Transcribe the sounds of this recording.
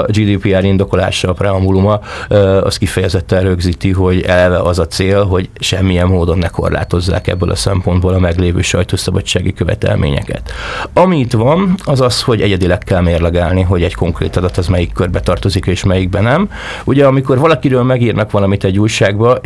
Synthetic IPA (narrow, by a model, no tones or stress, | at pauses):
d͡ʒiːd̪iːpiaːɾind̪o̞ko̞la̰ːʃɒːprɛɒmbulumɒɒ̰st̪kifɛjɛzɛt̪ːɛnɾøɡziːt̪iɦo̞ɟɛlɛvɛʔɒzɒt̪seːlɦo̞ɟʃɛmːijɛmːoːd̪o̞nːɛko̞̰rla̰ːt̪o̞zːa̰ːkɛ̰bːølʔɒ̰sɛmpo̞nd̪boːlɒmɛɡleːvøːʃɒ̰jt̪oːsɒbɒt͡ʃːaːɡikøvɛ̰t̪ɛ̰lmʔḛːɲɛ̰kɛ̰t̪ɒmiːt̪ʋɒnɒzɒsho̞ɟɛɟɛd̪ilɛkːɛlmeːrlɛɡaːlniɦo̞ɟɛɟko̞ŋkrḛːt̪ɒd̪ɒt̪ɒzmɛjikːørbɛt̪ɒrt̪o̞zikeːʃmɛjiɡ̚bɛnɛm | uɟɛɒmiko̞rvɒlɒkiɾøːlmɛɡiːrnɒkʋɒlɒmit̪ɛɟːuːjʃaːɡbɒ